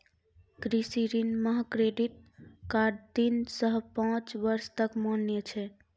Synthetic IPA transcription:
kɾisiɾinməɦkɾeɖiʈ̚kaɾt̪insəɦpãt͡ʃʋəɾst̪əkmonjət͡ʃʰɛ

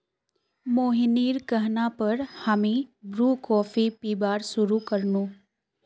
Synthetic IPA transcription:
moːɦiniːɾkəɦnapɐɾhəmĩbɾuːkɔːfipiːbaːɾsʊɾukəɾnuː

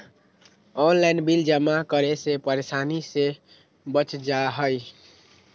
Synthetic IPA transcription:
onlajnbild͡ʒəmakəɾesepəɾesanise | bət͡ʃd͡ʒaɦəj

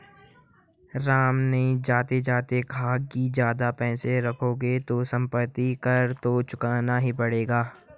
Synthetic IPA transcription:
ɾaːmneĩd͡ʒaːt̪ed͡ʒaːt̪ekʰaːɡ̚kid͡ʒjaːd̪apɛ̃ːseɾɐkʰoːɡet̪osɐ̃mpət̪ːikɐɾt̪ot͡ʃʊkaːnaɦipɐɽeːɡaː

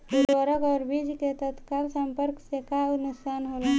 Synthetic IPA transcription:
uɾəɾəkɔːɾbid͡ʒket̪ət̪kalsəmpəɾksekaʊnʊsaːnɦolə

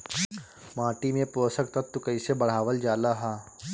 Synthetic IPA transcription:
maːʈimẽpoːsək̚t̪ɐt̪ːʊkəɪsebɐɽ̤aːʋəld͡ʒaːlaɦaː

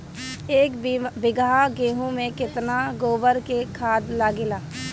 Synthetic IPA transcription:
eːkbɪɡaaɡeːɦũmẽkɪt̪naɡoːbəɾkekʰaːd̪laːɡɪlaː

